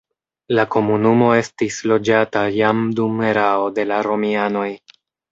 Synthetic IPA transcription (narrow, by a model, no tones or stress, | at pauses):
lako̞munumo̞e̞stislo̞d͡ʒatajamdume̞ɾaode̞laɾo̞miano̞j